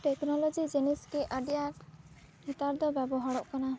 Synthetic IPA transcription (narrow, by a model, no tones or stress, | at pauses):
ʈɛknɔlɔd͡ʒid͡ʒɛniskɛʔaɖja | hit̪aɾd̪ɔbɛbɔɦaɽɔʔkana